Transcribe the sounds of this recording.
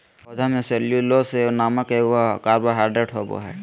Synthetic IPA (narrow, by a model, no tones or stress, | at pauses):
od͡ʒʱamẽseljulosenaːmakeʊakaːɾbaɦaːɖɾeʈɦobo̰ɦɛː